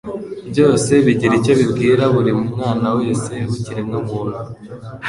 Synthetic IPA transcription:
bɟo̞ːse̞βiɟiɾico̞βibɡiːɾaβuɾimumŋaːnawojesehhuciɾeŋɡomunu

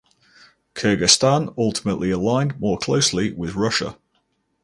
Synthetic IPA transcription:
kʰɜːɡɪstãnʌlˠtɪ̥məʔliəlãɪ̃nmɔːkʰl̥əʊslɪwɪðɹʊʃə̰

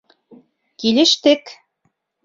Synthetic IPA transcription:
kilʲeʃt̪ek

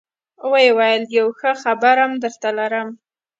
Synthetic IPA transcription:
wəjewajəljawxəxabaɾamd̪əɾt̪alaɾəm

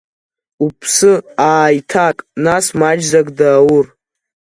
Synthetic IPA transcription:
upʰsɨaːjtʰakʼnasmad͡ʒzakʼdaːwur

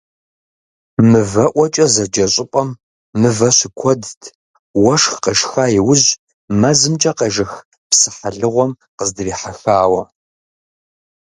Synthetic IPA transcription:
mɨvɐʔʷɔt͡ʃʼɐzɐd͡ʒɐɕʼɪpʼɐmː | ɨvɐɕɪkʷʰɔdtʰ | wɐʂxqɐʃxaːjɪwʊʑ | mɐzɨmt͡ʃʼɐqɐʒɪx | psɨ̥ħaɮɨʁʷɔm | qəzdɨriːħaxaːwɐ

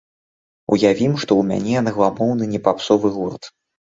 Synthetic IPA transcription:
ṵjavʲimʂt̪ɔumʲa̰nʲɛjanɐɣlˠamɔwnɨnʲɛpapsɔvɨɣɔrt̪

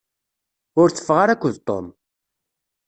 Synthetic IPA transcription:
ʊɾθə̥fʁaɾækʷːəðt̪ˤːo̰m

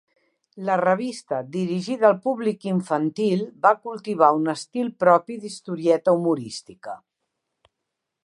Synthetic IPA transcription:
lərəβ̞ist̪əd̪iɾiʒiðːlˠpuβlikiɱfənt̪ilˠbakulˠt̪iβ̞aunəst̪ilˠpɾɔpiðist̪uɾiɛt̪əumuɾist̪ikə

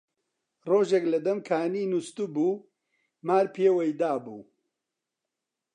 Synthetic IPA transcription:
roːʒeklɐd̪ɐmkʰaːniːnust̪ubuː | maːɾpʰeːwɐjd̪aːbṵː

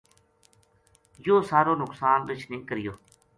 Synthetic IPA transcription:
joːsaːɾoːnʊksaːnɾɪt͡ʃʰnĩːkəɾɪjoː

